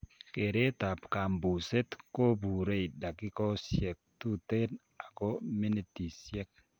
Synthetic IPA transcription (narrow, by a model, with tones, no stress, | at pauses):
ke˨ɾe˦t̪a˨pka˨mbu˨se˦t̪ko˦bu˨ɾe˦i˨da˨kɪ˦kɔ˦sjɛ˨k̚t̪u˦t̪e˦n | a˨ko˦mi˦ne˦ti˨sjɛ˦k̚